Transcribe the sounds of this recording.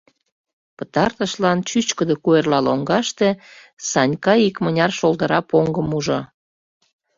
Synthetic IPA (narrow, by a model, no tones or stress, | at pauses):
pət̪ɑrt̪əʃlɑnt͡ɕyt͡ɕkəd̪ekuerlɑloŋɡɑʃt̪esɑnʲkɑikmənʲɑrʃold̪əɾɑpoŋɡəmuʒo